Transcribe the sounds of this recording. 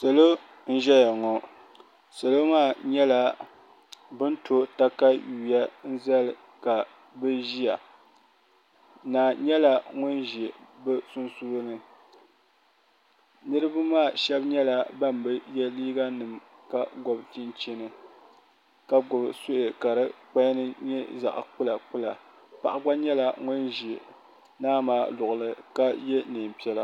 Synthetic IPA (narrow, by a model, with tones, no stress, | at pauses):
sa˨lo˦ | n̩˦ʒɛ˦ja˨ŋɔ˨ | sa˨lo˦maː˦˨ɲɛ˦la˦ | bɨ˦ntʰo˨ta˦ka˦juː˨ja˦n̩˦za˦lɨ˨ | ka˨ | bɨ˦ʒi˦ja˨ | naː˨ɲɛ˦la˦ŋʊ˦nʒɛ˨bɨ˦sʊ˦nsu˦o˦nɨ˨ | nɨ˦ɾɨ˦bɨ˦maː˦˨ʃɛ˦bɲɛ˦la˦ba˦mbɨ˦jɛ˦liː˦ɡa˦nɨ˨m | ka˦ɡɔ˨bti˦nt͡ʃɛ˦nɨ˨ | ka˦ɡʊ˨bso˦ʔe˨ka˨ɾɨ˦k͡pa˦nɨ˦ɲɛ˦za̰˨ʔk͡pu˦la˨k͡pu˦la˨ | pa̰˨ʔa˦ɡ͡ba˦ɲɛ˦la˨ŋʊ˦nʒi˨ | naː˦maː˦lʊ˨ʔʊ˨lɨ˨ka˦jɛ˦nɨ˨m˨pi˦ɛ˦la˦